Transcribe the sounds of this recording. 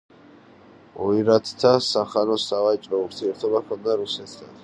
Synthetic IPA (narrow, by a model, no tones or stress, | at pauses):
ɔiɾat̪ʰt̪ʰasaχanɔsavat͡ʃʼɾɔuɾt̪ʰiɛɾt̪ʰɔbakʰɔnd̪aɾusɛt̪ʰd̪ʰa̰n